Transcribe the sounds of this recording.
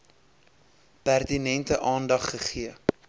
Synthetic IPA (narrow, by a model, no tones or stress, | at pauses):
pærtinɛntəʔɑːndɐχːəχiə